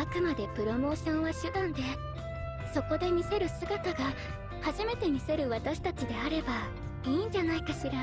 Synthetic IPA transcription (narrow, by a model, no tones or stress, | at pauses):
akɯ̟mad̪e̞pɯ̟ɾo̞mo̞ːɕõ̞ɰ̃βaɕɨd̪ãnd̪e̞ | so̞ko̞d̪e̞mʲise̞ɾɯ̟sɨɡat̪aɡa | haʑime̞t̪e̞mʲise̞ɾɯ̟βat̪aɕi̥t̪at͡ɕid̪e̞aɾe̞ba | iːɲ̟d͡ʑanaikaɕiɾa